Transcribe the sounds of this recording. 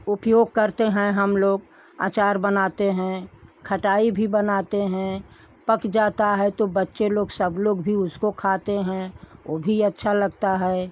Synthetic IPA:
ʊpjoːɡ̚kəɾt̪eɦɛ̃ɦɐmloːɡ | a̰ːt͡ʃaːɾbənaːt̪eɦɛ̃kʰɐʈaːibʱibənaːt̪eɦɛ̃ | pəkd͡ʒaːt̪aɦɛt̪obɐtːʃeloːɡsəbloːɡbʱiʊskokʰaːt̪eɦɛ̃ʔobʱiɐtːʃʰalɐɡt̪aɦɛː

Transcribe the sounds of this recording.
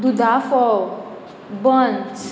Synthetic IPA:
d̪ud̪afɔ | bɔ̃ns

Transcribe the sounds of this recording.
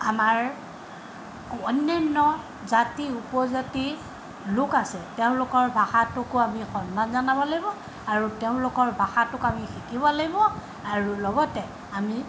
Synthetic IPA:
amaɹ | ɔnːɛnːɔ | zatiupɔzati | lʊkasɛteʊ̃lʊkɔɹbʱaxatʊkʊamixɔnːanzanabɔlaɡibɔ | aɹuteʊ̃lʊkɔɹbʱaxatʊkamixikibɔlaɡibɔ | aɹulɔɡɔtɛ | ami

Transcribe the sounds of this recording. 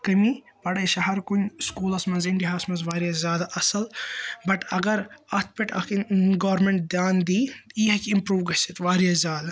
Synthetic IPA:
kɐmi | pɐɽɐʃɐɦɐɾkunskuːlɐsmɐnziɳʈiɦasmɐnzʋaːɾijazʲjaːd̪aʔɐsɐlbɐʈɐɡɐɾɐt̪̚ʰpeʈɐ̰kɡɐːɾmẽɳʈ̚d̪jaːnd̪iːiɦɐkimpɾuːʋɡɐsit̪ʋaːɾijɐzʲjaːd̪a

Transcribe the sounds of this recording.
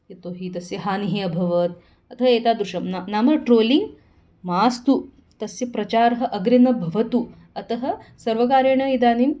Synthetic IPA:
jit̪oːɦit̪ɐsjɐɦaːniɦeɐbʱɐʋɐt̪̚ | ɐt̪ɐɦɐeːt̪aːd̪ɾuʂɐmnanaːmɐʈɾoːliŋɡ | maːst̪u | t̪ɐsjɐpɾɐt͡ʃaːɾɦɐ̆ʔɐɡɾinɐbʱɐʋɐt̪u | ɐt̪ɐɦɐsɐɾʋɐkaːɾjɐɳɐid̪aːnim

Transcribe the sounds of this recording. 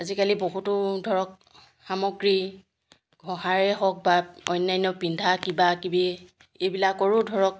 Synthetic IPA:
azikaliboɦutʊdʱɔɹɔk̚ | xamɔɡɹi | ɡʱɔɦaɹɛɦɔk̚baɔ̰jnːajnɔpindʱakibakibi | ejbilakːoɹudʱɔɹɔk̚

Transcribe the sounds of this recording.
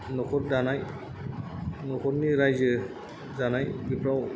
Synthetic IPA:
nɔkʰɔɾdanaj | nɔkʰɔɾniɾajzɯ | zanajbipɹaw

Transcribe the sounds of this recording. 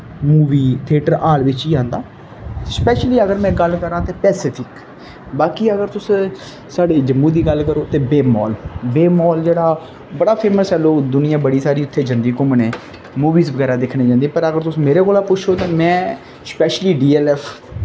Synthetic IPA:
muːʋiːt̪ʰeːʈəɾaːlʋɪt͡ʃiːãːnd̪aː | spɛːʃliːəɡəɾmɛ̃ːɡəlkəɾãːt̪eːpɛːsɪːt̪ʰɪk | baːkiːəɡəɾt̪ʊs | saːɖeːd͡ʒəmːũːd̪iːɡəlkəɾoːt̪eːbeːmɔ̰ːlbeːmɔːld͡ʒeːɽaː | bəɽaːpʰeːməsɛːloːd̪ʊnɪjãːbəɽiːsaːɾiːʊt̪ʰːeːd͡ʒənd̪iːkʊmnẽː | muːʋiːzbəɡɛːɾaːd̪ɪkʰnẽːd͡ʒãːnd̪ĩːpəɾəɡəɾt̪ʊsmeːɾeːkoːlaːpʊt͡ʃʃʰoːt̪ãːmɛ̃ː | spɛːʃliːɖiːɛːlɛːpʰ

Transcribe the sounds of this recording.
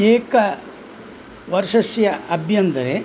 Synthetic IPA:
eːkɐ | ʋɐɾʂɐsjɐɐbʱjɐnd̪ɐɾe

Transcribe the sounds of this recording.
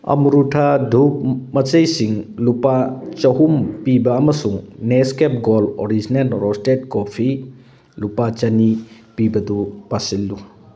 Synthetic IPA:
ɐ̰muɾutʰadʱuk̚mɐt͡ʃejsiŋlupat͡ʃɐɦumpibɐːmɐsuŋneskep̚ɡoloɾid͡ʒinelɾostet̚kopʰi | lupat͡ʃɐni | pibɐdupasilːu

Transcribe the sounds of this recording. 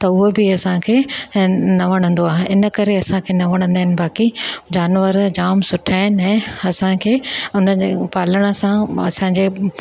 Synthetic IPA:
t̪ɐʊɦobɪɐsãkʰeː | nɐʋɐɽ̃ə̃n̆d̪oaːɦeɪnə̆kɐɾeɐsãkʰenɐʋɐɽ̃ə̃nd̪aɦɪnɪ̆baːkid͡ʑaːnʋəɾd͡ʑaːmsʊʈʰaːɦɪnɪɦɛ̃ːɐsãkʰeːʊnə̆d͡ʑepaːləɽ̃əsãɐ̰sãɲd͡ʑeː

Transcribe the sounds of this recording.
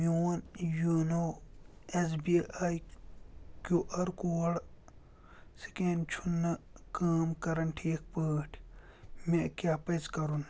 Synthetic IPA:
mioːnjuno | esbiaːj | kuʔɐɾkoːɽ | si̥kent͡ʃʰunːɐkaːmkɐɾɐnʈʰiek̚pəːʈʰ | mekjaːpɐzkɐɾun

